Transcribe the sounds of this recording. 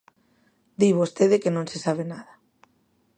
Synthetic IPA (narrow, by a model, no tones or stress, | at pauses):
d̪iβost̪eðekenõnsesaβ̞enaða